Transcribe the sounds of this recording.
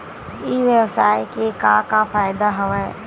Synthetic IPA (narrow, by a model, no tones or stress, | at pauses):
iʋjəwsaːekekãːkafaːjd̪aɦɐʋɛ̃